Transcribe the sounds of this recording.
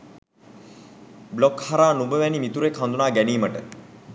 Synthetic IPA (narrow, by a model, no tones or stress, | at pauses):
blokhaɾaːnubəʋænimit̪uɾekɦand̪unaːɡæniːməʈə